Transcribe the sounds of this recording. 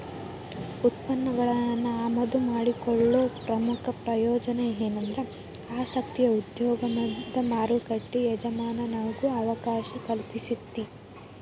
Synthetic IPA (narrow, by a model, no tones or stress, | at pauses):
ut̪̚pɐnːɐɡɐɭɐnːuaːmɐd̪umaːɽikɔɭːoːpɾɐmukʰɐpɾɐjɔːd͡ʒɐneeːnɐnd̪ɾe | aːsɐkt̪ijɐud̪jɔːɡɐmɐd̪ɐmaːɾukɐʈːijɛd͡ʒɐmaːnɐnɐʋɐɡuɐʋɐkaːʃɐkɐlpisit̪ːi